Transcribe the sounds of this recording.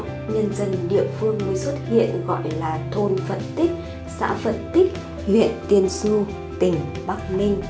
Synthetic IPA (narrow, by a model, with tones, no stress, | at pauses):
ɲə˧nzə˧˩nɗḭ˧˨əfɨ˧əŋmɨ˧swə˦˥t̚hḭ˧˨ənɣɔ̰˧˨jlaː˨˩t̪ʰo˧˩nfə˨˩t̚t̪ï˦˥k̚ | sa̰ː˧˥fə˨˩t̚t̪ï˦˥k̚ | hwḭ˧˨ənt̪i˧ənsu˧ | t̪ï˨˩ŋ̟ɓa˦˥k̚mï˧ŋ̟